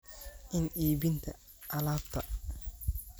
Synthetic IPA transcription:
ʔɪnʔiːbɪnt̪ʰɐ | ʔɐlaːbt̪ʰɐ

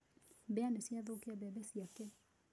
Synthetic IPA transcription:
bɛanɛsjaðokeabɛbɛsiakɛ

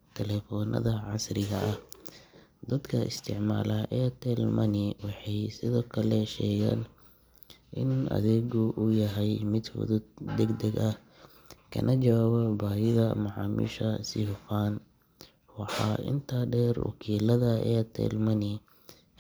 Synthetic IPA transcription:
t̪ʰɛlɛfɔːnʔɐ̰ðɐʕɑsrɪɣɐʔɐh | d̪ɐd̪kʰɐʔɪ̰st̪ʰɪʕma̰ːlɐʔɛːt̪ʰɛlmɐnɪwɑħɑjsɪðɔːkʰɐlɛʃɛːɣa̰ːn | ʔɪnʔɐ̰ðɛːɣʊʔʊjɐɦɛjmɪd̪wɔ̰ðʊd̪ɛɡd̪ɛɡɐh | kʰɐ̰nʔɐt͡ʃɐwaːβɐbaːjɪɣɐmɑʕɑ̰ːmḭːʃɐsɪʊfaːn | wɑħɑːʔɪ̰nt̪ʰaːɖɛːrwɑ̰kʰiːlɐðɐɛːt̪ʰɛ̰ːlmɐnɪ

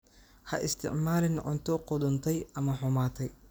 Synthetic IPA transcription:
hɐʔɪ̰st̪ʰɪ̰ʕmaːlɪnʕʊ̰nt̪ʰɔqɔðʊnt̪ʰɛjɐmɐħʊmaːt̪ʰɛj

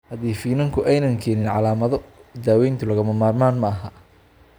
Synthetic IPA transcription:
hɐðiːfiːnɐŋkʰʊʔɛjnɐŋkʰɛːnɪnʕɑlaːmɐðɔd̪aːwɛjnt̪ʰʊlɐɣɐmɐmaːrmaːnmɐʔɐɦɐ

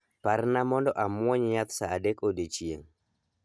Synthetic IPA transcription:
parnamɔndɔʔamwɔɲɲat̪saːdekodet͡ʃjḛŋ

